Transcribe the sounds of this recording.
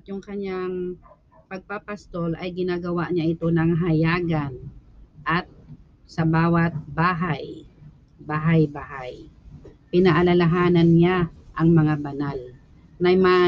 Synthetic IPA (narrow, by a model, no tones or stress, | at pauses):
ʔat̪jʊŋkɐɲaŋ | pɐɡ̚papɐst̪o̞lʔɐjɡɪnaːɡɐwaʔɲaʔɪt̪o̞nɐŋɦajaːɡanʔat̪̚ | sɐbaːwɐt̪̚baːɦaj | baːɦajbaːhaj | pɪnaʔalalaɦaːnɐnɲaʔɐŋmɐŋabɐnal | nɐjmɐ